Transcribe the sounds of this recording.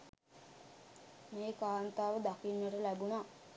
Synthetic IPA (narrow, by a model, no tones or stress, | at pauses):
meːkaːnt̪aːʋəd̪akinːəʈəlæbuna